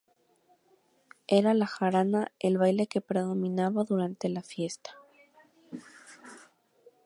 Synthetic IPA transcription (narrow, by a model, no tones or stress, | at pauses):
e̞ɾalaxaɾanaelβajle̞ke̞pɾeðo̞mĩnaβaðuɾant̪e̞lafje̞st̪ḁ